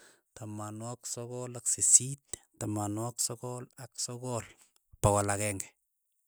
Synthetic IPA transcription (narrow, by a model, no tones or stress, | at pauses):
t̪amanwaksokɔlaksesit̪̚tamanwaksɔkɔlaksɔkol | pawalakɛŋɡɛ̥